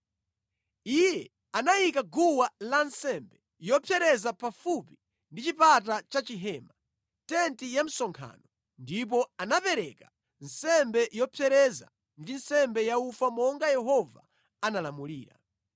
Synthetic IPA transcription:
ijɛ | anajikaɡuwalansɛmbɛ | jɔpʰjɛɾɛzapafupi | ndit͡ʃipat̬at͡ʃat͡ʃiɦɛːma | tɛntijam̩sɔŋkʰa̰nɔ | ndip̬ɔanapɛɾɛka | nsɛmbɛjɔpʰjɛɾɛza̰ | ndinsɛmbɛjaufamɔŋɡajɛɦɔva̰ | analamuliːɾa̰

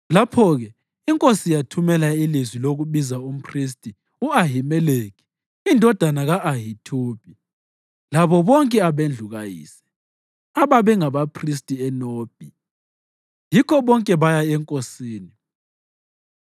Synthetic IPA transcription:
lapʰɔɣɛ | iŋkʼosijatʰumɛlailizwiloɣuβizaum̩pʰris̬tʼi | uaɦimɛleːki̥ | indʱɔd̥ʱanaɣaʔːɦitʰuːb̥ʱʼi | laβɔβɔŋkʼɛaβend͡ɮʱuɣajḭːsɛ̥ | aβaβɛŋaβapʰris̬tʼiɛnoːb̥ʱi | jikʰɔβɔŋkʼɛβajaɛŋkʼosiːni

